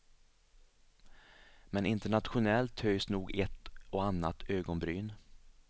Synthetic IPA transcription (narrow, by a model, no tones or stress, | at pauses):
mɛnɪnt̪əɳat̪ɧʊnɛlt̪ʰhœjsnuːɡɛt̪ɔanːat̪ʰøːɡɔnbɾyːn